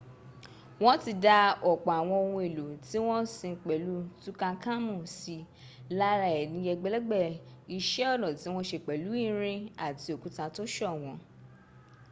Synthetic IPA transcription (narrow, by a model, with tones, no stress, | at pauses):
w̃ɔ̃˦ti˧da˧ɔ˨k͡pa˨a˨w̃ɔ̃˧o˧wũ˧e˨lo˨ti˦w̃ɔ̃˦si˧˨k͡pɛ˨lu˨˦tũ˦kã˧kã˦mũ˦˨si˨˧ | la˦ɾa˧ɛ˨nĩ˧jɛ˧ɡ͡bɛ˧lɛ˦ɡ͡bɛ˦˨i˧ʃɛ˨˦ɔ˦˨lɔ̃˨ti˨˦w̃ɔ̃˦ʃe˧˨k͡pɛ˨lu˨˦i˦˨ɾ̃ĩ˧a˦˨ti˧o˨kũ˦tã˧to˦ʃɔ˦˨w̃ɔ̃˧